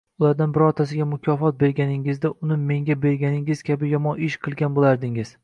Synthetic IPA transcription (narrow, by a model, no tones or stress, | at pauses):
ʊlˠaɾd̪anbɪɾɒɾt̪ʰasɪɡʲamʊkʲʰɒfɒt̪̚be̞ɾɡʲanɪŋɪzd̪aʔʊnɪme̞ŋɡʲabe̞ɾɡʲanɪŋɪzkʲʰabɪjɒmɒnɪʃqʰɨlˠɡʲanbolˠaɾd̪ɪŋɪz̥